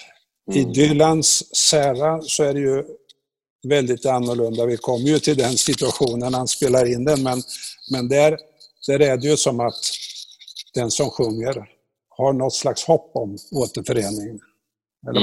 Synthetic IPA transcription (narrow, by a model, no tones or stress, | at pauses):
ɪd̪ʏlansːæːɾasɔæɖɛjɵ | vɛld̪ɪt̪anːʊɭɵnd̪avɪkʰɔmːəɾjɵt̪ʰɪld̪ɛnsɪt̪ɵaɧuːnənhanspeːlaɾɪnd̪ɛnmɛnmɛnd̪æɾ | d̪̥æɾɛɖɛjɵsɔmat̪ | d̪̥ɛnsɔmɧɵŋːəɾ | haɳɔt̪ːslakshɔpːɔmoːt̪əɾfœɾeːnɪŋ | ɛ̰lːə